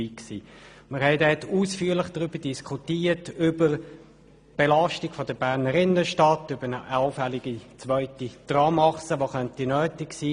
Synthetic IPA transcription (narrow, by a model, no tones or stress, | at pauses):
iksḭː | məɾhɛɪdɛːtuːsfyːɐlɪχd̥ʁʏb̥əd̥iskʰutiːətʏbəɾ | b̥elɑʃtɪɡ̥fod̥əbæʁnəɾɪnəʃtɑtʏbənəʔɑʊfɛlɪɡit͡sʋœʏtid̥ʁɑmɑχsəʋoχœntinœːtɪksiː